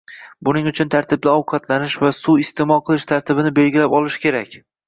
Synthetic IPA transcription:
bʊnɪŋʊt͡ʃʰʊnt̪ʰaɾt̪ʰɪb̚d̪aɒwqʰɑt̪lanɪʃvasuɪst̪ʰemɒlˠqʰɨlˠɪʃt̪ʰaɾt̪ʰɪbɪnɪbe̞lɡʲɪlapɒlˠɪʃkʲʰe̞ɾakʲ

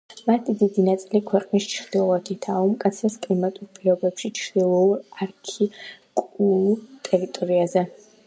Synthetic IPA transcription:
mat̪ʰid̪id̪inat̪sʼilikʰwɛqʼniʃt͡ʃʰd̪̥ilat̪ʰit̪ʰaumkʼat̪sʰaskʼimat̪ʼupʼiɾɔbɛpʃit͡ʃʰχd̪̥ilˠɔɾarkʰikʼulut̪ʼɛɾit̪ʼɔɾiazɛ

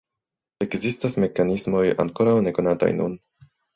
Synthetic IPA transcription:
e̞kzistasme̞kanismo̞ja̰ŋko̞ɾawne̞ko̞nata̰jnṵn

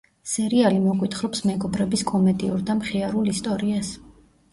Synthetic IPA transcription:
sɛɾialimɔkʼwit̪χɾɔpsmɛɡɔbɾɛbiskʼɔmɛd̪iuɾd̪amχiaɾulist̪ʼɔɾias

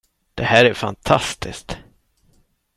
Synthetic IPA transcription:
d̪̥ɛhæːɾæɾfa̰nt̪ʰast̪ʰɪskt̪

